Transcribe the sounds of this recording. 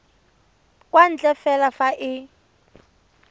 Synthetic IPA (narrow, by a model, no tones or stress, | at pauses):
kʼwan̩d͡ɮɛfɛlafaʔɪ